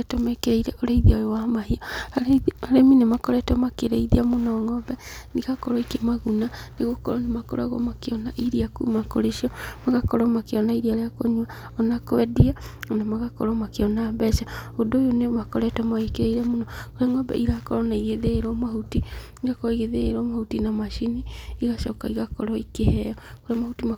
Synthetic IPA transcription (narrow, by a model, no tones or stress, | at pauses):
tɔmɛkeɾeiɾɛʔoɾaiðiajowamaɦiɔ | aɾeminemakɔɾɛtɔmakeɾeiðiamonɔŋɔbɛniɣakɔɾɔikemaɣunaneɣokɔɾɔnemakɔ̰ɾa̰ɣɔ̰makeɔnaʔiɾiakṵmako̰ɾeʃiɔmaɣakɔɾɔmakeɔnaiɾiaɾeakoɲwa | ɔnakoɛdianamaɣakɔ̰ɾɔmakeɔnaːbɛʃaodoːjonemakɔɾɛtamaekeɾeiɾɛmonɔkoɾeaŋɔbɛ̰ʔiɣakɔɾɔnaiɣeðeːɾɔmaɦuti | iɣakɔɾɔiɣeðeeɾɔmahutinamaʃiniːɣaʃɔkaiɣakɔɾɔikehɛjɔkoɾeamahutima